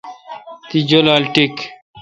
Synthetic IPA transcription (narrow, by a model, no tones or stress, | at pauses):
t̪id͡ʑolalʈik